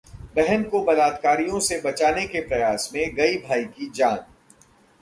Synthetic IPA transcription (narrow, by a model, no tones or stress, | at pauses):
bɛɦənkobɐlaːt̪kaːɾijõsebɐt͡ʃaːnekepɾɐjaːsmẽɡɐibʱaːikid͡ʒaːn